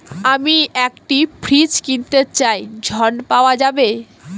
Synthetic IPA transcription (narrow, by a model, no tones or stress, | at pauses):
amiɛkʈipʰɾit͡ɕkint̪et͡ɕajd͡ʑʱɔnpaoad͡ʑabe